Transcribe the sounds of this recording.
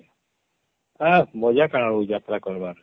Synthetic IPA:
abɔd͡ʒakaɽ̃ɔɾud͡ʒat̪ɾakɔɾbaɾ

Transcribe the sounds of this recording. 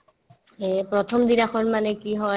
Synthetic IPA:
pɹɔtʰɔmdinaxɔɹmanɛkiɦɔ

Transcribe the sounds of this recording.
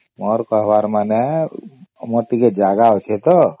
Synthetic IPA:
mɔɾkəɦʋaɾmane | moʈiked͡ʒaɡaot͡ʃʰet̪ɔ

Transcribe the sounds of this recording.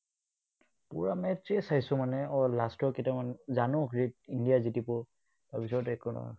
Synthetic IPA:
pṵɹamɛtt͡ʃesajsʊmanɛɔlastɔketamanzanɔɡɹitindijazitipʊ | babisɔtɛkɔnɔ̰

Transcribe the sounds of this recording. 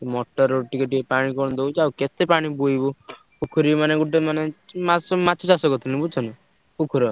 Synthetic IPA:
t̪mɔʈɔɾoʈikeʈiepaɽ̃ikɔɽ̃d̪owt͡ʃawket̪epaɽ̃ibujbu | pukʰuɾimaneɡuʈemanemasɔmat͡ʃʰɔt͡ʃasɔkɔt̪ʰinibut͡ʃʰɔnɔ | pukʰuɾɔ

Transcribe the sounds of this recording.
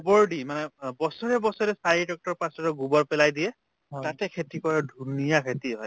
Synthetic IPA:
bɔɹɖimanɛbɔsɔɹɛbɔsɔɹɛsaɹidɔk̚tɔɹpãsɔtɔɡubɔɹpɛlajdijɛ | tatɛkʰetikɔɹadʱunijakʰetiɦɔj

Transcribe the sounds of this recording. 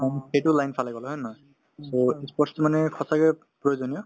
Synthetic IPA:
axejtʊlajnpʰalajɡɔlɦɔjma | soispɔtstɔmanɛkʰɔsakɛ | pɹɔjozɔnijɔ

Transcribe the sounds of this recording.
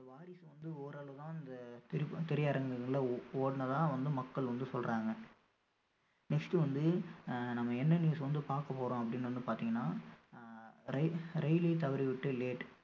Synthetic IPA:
ɪd̪ɐʋaːɾɪsʋɐnd̪ɯɔːɾaːɭɐʋɯðãːɪnd̪ɐt̪ɪɾɪt̪ɪɾɐjaːɾɐŋɡɐɐlɐoːɽɐnɐðãːʋɐnd̪ɯmɐkːɐɭʋɐnd̪ɯsɔlɾʔaːŋɡɐ | nɛksʈɯʋɐnd̪ɯnɐmːɐɛnːɐnjuːsʋɐnd̪ɯpaːɾkɐpːoːɾõːɐpːɐɽɪnːʋɐnd̪ɯpaːɾt̪iːŋɡɐnːaː | ɾɐɾɛɪliːt̪ɐʋɐɾiʋɪʈːɯleːʈ

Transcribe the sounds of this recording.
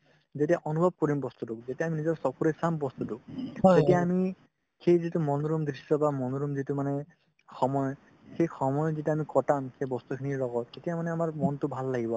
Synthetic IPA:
zetijaʔɔnubʱɔb̚kɔɹimbɔst̪udʊk̚zetijaːminizɔɹsɔkuɹɛsambɔst̪uduk̚etijaːmi | xejzitumɔnɔɹumdɹisɔbamɔnɔɹumzitumanɛ | xʰɔmɔjɔ | xejxɔmɔjɔzituamikɔtamxejbɔst̪ukʰiniɹlɔɡɔtetijamanɛamaɹmɔntʊbʱalːaɡibɔa

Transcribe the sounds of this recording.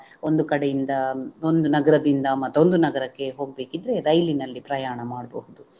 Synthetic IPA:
o̞nd̪ukɐɽejind̪ɐo̞nd̪unɐɡɐɾɐd̪ind̪ɐmɐt̪ːo̞nd̪unɐɡɐɾɐkːe̞ɦo̞ːɡ̚be̞ːkid̪ɾe̞ɾɐjlinɐlːipɾɐjaːɳɐmaːɽbɐhud̪u

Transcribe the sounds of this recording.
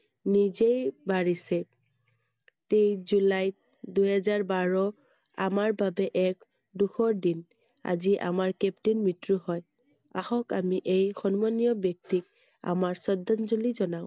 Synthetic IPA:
nizejbaɹisɛ | tejzulaj | duɦɛzaɹbaɹɔ | amaɹbabɛʔɛk | duxʰɔɹdin | a̰ziʔa̰maɹkɛptinmitɹuhɔj | ahɔkamiʔejxɔnmɔnijɔbjɔk̚tik̚ | a̰maɹsɔdɔnzulizɔnaʊ̃

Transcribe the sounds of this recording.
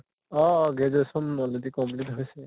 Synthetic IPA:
ɔɡezɔsɔmːɔledikɔmplitɦojsɛ

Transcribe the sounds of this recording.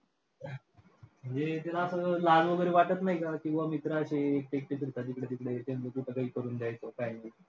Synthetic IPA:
m̤əɳd͡zet̪jalaəsəlaɡʋəɡəɾeʋaʈət̪naɦikakĩw̃ʋamit̪ɾaəɕeːk̚ʈek̚ʈifiɾt̪at̪ikɽet̪ikɽet̪ent͡səkuʈʰəɡəikəɾuːnd͡ʑ̪jajt̪okaɦjna

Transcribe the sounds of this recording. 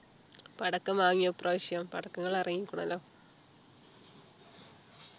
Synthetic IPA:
pɐɽɐkːɐmʋaːŋːijɐpːrʔɐʋɐɕɐjɐmpɐɽɐkːɐŋːɐɭɐrɐŋːikʲːuɳɐ̰lːoː

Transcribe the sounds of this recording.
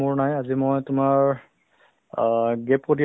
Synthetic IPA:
ʊɹnajazimɔjtʊmaɹ | ɡɛpkoti

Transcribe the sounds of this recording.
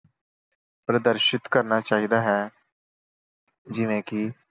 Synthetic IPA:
pɾəd̪əɾʃɪt̪kəɾnaːt͡ʃaːɦid̪aːɦɛː | d͡ʒɪʋẽːkiː

